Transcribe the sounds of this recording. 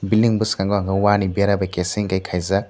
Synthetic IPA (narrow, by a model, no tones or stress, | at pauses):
bildiŋbɯskaŋɡɔaŋɡawanibeɾabajkesiŋkajkʰajza